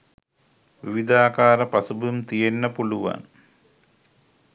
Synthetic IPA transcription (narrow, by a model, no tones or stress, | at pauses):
ʋiʋid̪aːkaːɾɐpɐsubumt̪ijenːəpuluʋa̰n